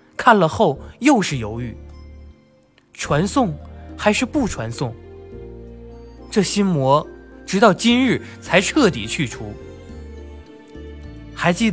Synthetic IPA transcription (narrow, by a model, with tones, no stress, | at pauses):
kʰa˥˩nlə˩xo˥˩ʊjo˥˧ʊʂɻ̩˥˩jo˧˥ʊy˥˩ | ʈ͡ʂʰwa˧˥nsʊ˥˩ŋxa˧˥ɪʂɻ̩˥˧pu˥˩ʈ͡ʂʰwa˧˥nsʊ˥˩ŋ | ʈ͡ʂɤ˥˩ɕi˥nmwɔ˧˥ʈ͡ʂɻ̩˧˥t̪ɑ˥˩ʊt͡ɕi˥nɻɻ̩˥˩t͡sʰa˧˥ɪʈ͡ʂʰɤ˥˩t̪̬ḭ˨˩t͡ɕʰy˥˩ʈ͡ʂʰu˧˥ | xa˧˥ɪt͡ɕi˥˩d̪